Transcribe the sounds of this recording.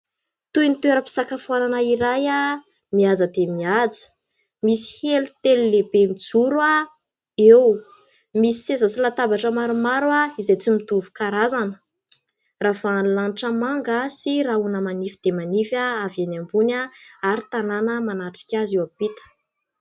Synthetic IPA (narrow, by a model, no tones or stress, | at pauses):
t̪ujnit̪ueɾəpi̥sakafuananəiɾaja | miazəd̪emiad͡zə̥ | misi̥helut̪elulebemid͡zuɾwa | ew | misi̥sezəsilat̪abaʈ͡ʂəmaɾumaɾwaizajt͡simit̪uvu̥kaɾazanə̥ | ravanulanʈ͡ʂəmaŋɡasiraunəmanifid̪̥emanifaavanambunaaɾit̪ananəmanaʈ͡ʂi̥kʲazewapit̪ə̥